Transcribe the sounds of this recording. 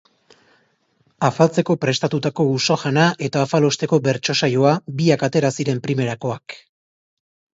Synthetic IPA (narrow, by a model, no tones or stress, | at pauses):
afalt͡se̞ko̞pɾe̞st̪at̪ut̪ako̞usoʝanaʔe̞t̪aːfalo̞st̪e̞ko̞be̞ɾt͡ʃo̞sajoabiakat̪e̞ɾasiɾe̞mpɾime̞ɾako̞ak